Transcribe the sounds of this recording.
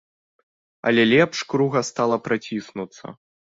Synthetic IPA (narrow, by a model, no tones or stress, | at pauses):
ɐ̰lʲɛlʲɛpʂkɾuɣɐst̪alˠɐpɾat͡sʲisnut̪sːɐ̰